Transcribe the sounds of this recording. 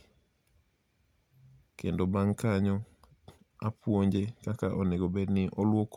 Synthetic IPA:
kendobaŋkaɲɔ | apwoɲd͡ʒekakaʔoneɡobenɪʔolwok

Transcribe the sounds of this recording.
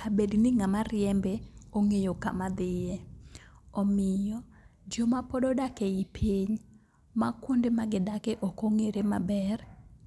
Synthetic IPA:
kabednɪŋamarɪjɛmbɛoŋejoka̰mad̪ɪje | ɔmɪjɔ | d͡ʒomapɔdɔdakeipʰiɲ | makwondemaɡɪdakeʔɔkoŋeɾema̰bɛr

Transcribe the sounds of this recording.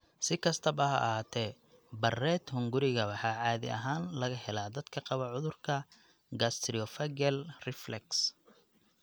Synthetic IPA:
sɪkʰɐst̪ʰɐbɐɦɐ̰ʔhaːt̪ʰɛ | bɐrɛːd̪hʊŋɡʊɾɪɣɐwɑħɑːʕɑːðɪ̰ʔɐ̰ɦaːnlɐɣɐhɛlaːd̪ɐd̪̥kʰɐqɑβɐʕʊðʊrkʰɐ | ɡast̪ʰɾiɔfɐɡɛlrɪflɛks

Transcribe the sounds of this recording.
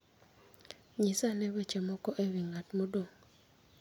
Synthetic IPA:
ɲisanɛwɛt͡ʃɛmɔkɔʔewiŋatmodoŋ

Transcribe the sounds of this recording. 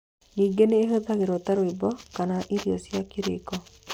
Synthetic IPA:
niːŋɡeneːɦoðaɣeɾɔtaɾwebɔkanaʔiɾiɔsjakiɾḛkɔ

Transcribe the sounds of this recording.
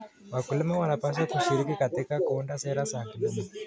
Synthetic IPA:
wakulimawanapas̬akuʃiɾikikat̪ɛkakɔndasɛɾasakulima

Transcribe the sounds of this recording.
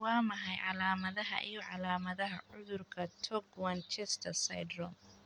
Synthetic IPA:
waːmɐɦɐjʕa̰laːmɐðɐɦɐ̰ʔɪjɔʕalaːmɐðɐɦɐʕʊðʊrkʰɐt̪ʰɔɡmɐnt͡ʃɛst̪ʰɐsɐ̰jdɾɔm

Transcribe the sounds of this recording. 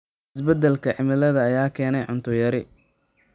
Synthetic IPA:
ɪsbɐd̪ɛlkʰɐʕɪmɪlɐðɐːjaːkʰɛːnɛjʕʊnt̪ʰʊjɐɾɪ

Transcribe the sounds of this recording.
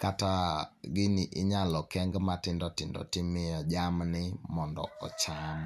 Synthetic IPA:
kataɡɪnɪʔɪɲalɔkɛŋɡmatɪndɔtɪndɔ̰tɪmɪjɔd͡ʒamnɪmɔndɔ̰ɔt͡ʃam

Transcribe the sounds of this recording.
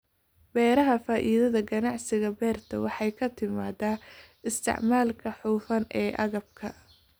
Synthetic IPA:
b̥ɛːɾɐɦɐfaːʔiːðɐðɐɡɐnɑʕsɪɣɐbɛːrt̪ʰɐwɑħɑjkʰɐt̪ʰɪma̰ːdaː | ɪst̪ʰɪ̰ʕmaːlkʰɐħuːfɐnʔɛːʔɐ̰ɣɐb̚kʰɐ

